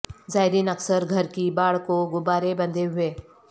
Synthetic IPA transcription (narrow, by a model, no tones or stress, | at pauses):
zaːɪɾiːnəksəɾɡʱɐɾkibaːɽkoɡʊbaːɾebɐ̃nd̪ʱeɦʊeː